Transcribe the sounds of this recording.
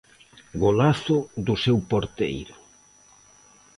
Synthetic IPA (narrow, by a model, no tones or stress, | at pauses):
ɡolaθʊðʊsewpoɾt̪ḛjɾʊ